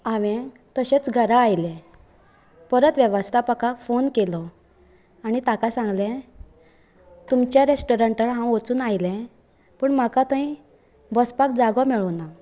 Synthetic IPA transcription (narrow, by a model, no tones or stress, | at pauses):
aʋẽ | t̪əɕet͡sɡʱəɾaːjlɛ̃ | pəɾət̪ʋjəʋəst̪ʰapəkafonkelɔ | añit̪akasãŋɡlɛ̃ | t̪umt͡ɕjaɾesʈoɾə̃ɳʈəlɦãwot͡suːnajlɛ̃ | pəːɳmakat̪ãĩ | bəspak̚d͡zaɡɔmɛɭɔna